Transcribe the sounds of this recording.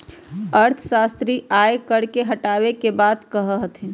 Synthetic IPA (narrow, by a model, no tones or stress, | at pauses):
əɾt̪ʰəsast̪ɾiajkəɽkeɦəʈabekebad̪kəɦəɦət̪ʰin